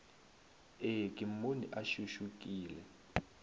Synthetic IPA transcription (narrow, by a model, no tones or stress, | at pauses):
ek̬ʼim̩onḭʔaʃuʃuk̬ʼiːlɛ